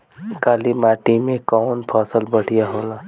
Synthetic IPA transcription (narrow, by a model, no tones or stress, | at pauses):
kaːlimaːʈimẽkɔːnpʰaːsəlbəɽ̤ijaɦoːlaː